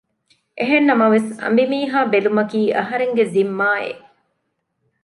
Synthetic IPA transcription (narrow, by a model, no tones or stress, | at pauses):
ʔeɦenːɐmɐʋesɐ̰mbimiːɦaːbelumɐkiːʔɐɦɐɾeŋɡezimːaːḛ